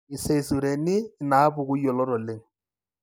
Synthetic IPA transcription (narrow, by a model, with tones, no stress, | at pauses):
ɪ˨se˨i˨su˨ɾe˨nɪ˦naː˨˦pʊ˨k̬ʊ˦i˦ɔ˨lɔ˦ɾɔ˨lɪ˦ŋ̩˨